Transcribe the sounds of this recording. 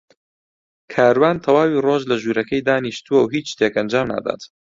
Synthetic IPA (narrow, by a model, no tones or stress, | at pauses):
kʰaːɾwaːnt̪ʰɐwaːwiːroːʒlɐʒuːɾɐkʰɐjd̪aːniʃt̪uwɐwɦiːt͡ʃʃt̪eːkɐnd͡ʒaːmna̰ːd̪a̰t̪